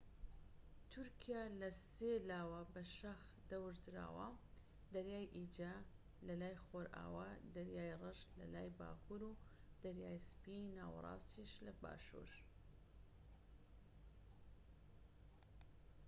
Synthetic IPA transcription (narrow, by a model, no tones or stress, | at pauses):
t̪ʰʊɾkʰijalɐselaːwɐbɐʃɐx | d̪ɐwɨɾd̪ɾa̰ːwɐ̰ | d̪ɐɾjaːjʔid͡ʒa | lɐlaːjxoːɾʔa̰ːwad̪ɐɾjaːjrɨʃlɐ̰laːjba̰ːkʰuɾud̪̥ɐɾjaːjspinaːwɐ̰rˤɑ̰ːsiʃlɐba̰ːʃṵːɾ